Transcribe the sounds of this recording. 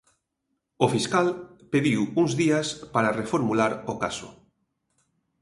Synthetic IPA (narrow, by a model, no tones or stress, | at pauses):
ofiskalpeðiwuŋzðiaspaɾarefoɾmulaɾoka̰so̰